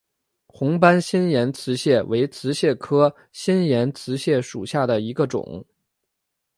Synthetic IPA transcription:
xʊ˧˥ŋpa˥nɕi˥njɛ˧˥nt͡sʰɹ̩˧˥ɕjɛ˥˩wʔe˧˥ɪt͡sʰɹ̩˧˥ɕjɛ˥˩kʰɤ˥ | ɕi˥njɛ˧˥nt͡sʰɹ̩˧˥ɕjɛ˥˩ʂṵ˨˩ɕja˥˩d̪ə˩i˧˥ɡə˧ʈ͡ʂʊ̰˨˩˦ŋ

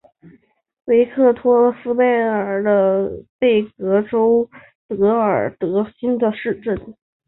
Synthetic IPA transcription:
we˧˥ɪkʰɤ˥˩t̪ʰwɔ˥sɹ̩˥pe˥˩ɪə˨˩d̪ə˦pe˥˩ɪkɤ˧˥ʈ͡ʂo˥ʊ | t̪ɤ˧˥ə˞˨˩t̪ɤ˧˥ɕi˥nd̪ə˧ʂɻ̩˥˧ʈ͡ʂə˥˩n

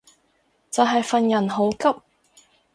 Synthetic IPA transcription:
t͡sɐ˨wɦɐ˨jfɐ˨njɐ˨˩nɦo˨˧˥wkɐ˥p̚

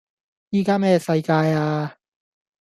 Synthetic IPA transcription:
jiː˨kaː˥mɛː˥sɐ˧jkaː˧jaː˧

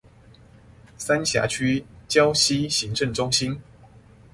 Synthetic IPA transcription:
sa˦nɕja̰˧˥t͡ɕʰy˥t͡ɕjɑ˦˥ʊɕi˦ɕi˨˦ŋʈ͡ʂə˥˨˩ŋʈ͡ʂʊ˦˥ŋɕi˦n

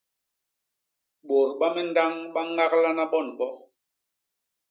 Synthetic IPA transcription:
ɓo˨ɾɓa˦mɛ˦n̩˦da˦ŋɓa˦ŋa˦kla˦na˦ɓɔ˦˨nɓɔ˦

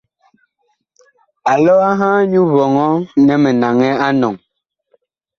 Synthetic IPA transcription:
a˨lɔ˦a˦ɦãː˦ɲu˦βɔ˨ŋɔ˦nɛ˨mɛ˨na˨ŋɛ˦a˦nɔ˨ŋ

